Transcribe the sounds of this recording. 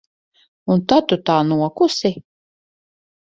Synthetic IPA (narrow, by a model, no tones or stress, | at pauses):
unt̪at̪ut̪aːnuɔkusi